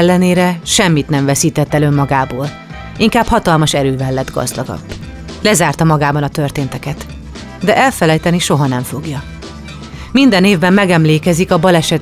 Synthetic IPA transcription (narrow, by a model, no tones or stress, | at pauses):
lːɛneːɾɛʃɛmːit̪nɛɱvɛsiːt̪ɛt̪ːɛlø̞mːɒɡaːboːl | iŋkaːphɒt̪ɒlmɒʃɛɾøːvɛlːɛd̪ɡɒ̰zd̪ɒɡɒ̰b̥ː | lɛzaːrt̪ɒmɒɡaːbɒnɒt̪ø̞rt̪eːnt̪ɛkɛt̪ | d̪ɛʔɛlfɛlɛjt̪ɛniʃo̞ɦɒnɛɱfo̞ɡjɒ | mind̪ɛneːvbɛmmɛɡɛmleːkɛzikɒbɒlɛʃɛt̪